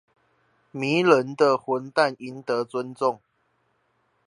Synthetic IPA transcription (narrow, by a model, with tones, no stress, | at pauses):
mi˨˦lə˦nd̪ə˧xwə˨˦nt̪a˥˨ni˨˦nt̪ɤ˨˦t͡swə˦nt͡sʊ˥˨ŋ